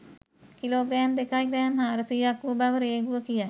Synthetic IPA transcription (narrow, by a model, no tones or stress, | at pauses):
kiloːɡɾɛːmd̪ekajɡɾɛːmɦaːɾɐsijakubaʋəɾeːɡuʋəkija